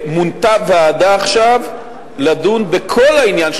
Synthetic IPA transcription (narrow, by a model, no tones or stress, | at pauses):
munt̪aveadaːχʃav | ladunbekʰo̞lainjanʃ